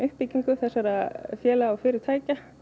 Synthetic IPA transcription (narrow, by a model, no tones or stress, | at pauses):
ʏhpiciŋkʏθɛsːaɾaðfjɛːlaːwfɪːɾɪɾ̥t̪ʰaːjca